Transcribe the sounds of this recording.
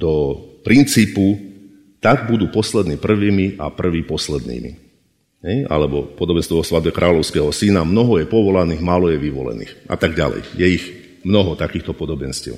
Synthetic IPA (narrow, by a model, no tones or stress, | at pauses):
d̪̥ɔpɾint͡siːpu | t̪aɡbud̪uːpɔslɛd̪niːpr̩ʋiːmiʔa̰pr̩ʋiːpɔslɛd̪nḭːmḭ | ɦɛja̰lɛbɔpɔd̪ɔbɛnst̪ɛʋɔsʋad̪bɛkɾʔaːlɔʊskɛːɦɔsinamnɔɦɔjɛpɔʋɔlaniːɣmaːlɔjɛʋiʋɔ̰lɛ̰nḭːxʔa̰t̪aɡɟa̰lɛ̰jjɛiɣ | mnɔɦɔt̪akiːxt̪ɔpɔd̪ɔbɛnscɛ̰ʊ